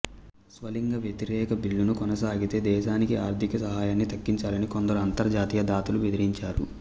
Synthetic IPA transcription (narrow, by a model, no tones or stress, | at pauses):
sʋɐliŋɡɐʋjɐt̪iɾɛːkɐbilːunukɔnɐsaːɡit̪e̞ːd̪ɛːʃaːnikiaːɾd̪ʱikɐsɐɦaːjaːnːit̪ɐkːiɲt͡ʃaːlɐnikond̪ɐɾuɐnt̪ɐɾd͡ʒaːt̪iːjɐd̪aːt̪ulubed̪iɾiɲt͡ʃaːɾṵ